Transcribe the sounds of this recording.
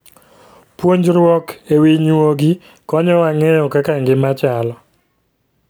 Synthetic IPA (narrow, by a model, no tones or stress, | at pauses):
pwoɲd͡ʒɾwɔkewiɲwoɡɪ | kɔɲɔwaŋɛjɔkakaŋɡɪmat͡ʃalɔ